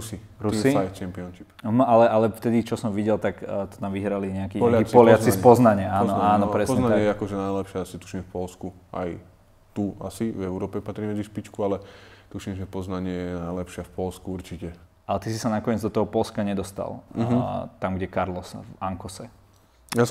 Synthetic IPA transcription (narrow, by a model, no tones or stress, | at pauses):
ɾusi | ɾusiajt͡ʃɛmpiɔnʃipalɛʔalɛft̪ɛd̪it͡ʃɔsɔmʋiɟɛlt̪akt̪ɔ̥t̪amʋiɦɾaliɲɛakiːɔlaipɔlɪat͡sispɔznaɲɪaaːnɔaːnɔpɾɛspɔzɲɛnaɲaɲɛjɛakɔʒɛnajlɛpʃɪaasit̪u̥ʃimfpɔlskuʔa̰j | t̪ua̰sivɛʊɾɔːpɛpat̪ɾimɛd͡ziʃpit͡ʃkualɛt̪uʃimʒɛpɔznaɲɪɛjɛnajlɛpʃɪafpɔlskuuɾt͡ʃicɛ | alɛt̪isisanakɔɲɛd͡zd̪ɔt̪ɔɦɔpɔlskaɲɛd̪ɔst̪a̰lˠ | t̪amɡɟɛkaɾlɔsvaŋkɔsɛ | jas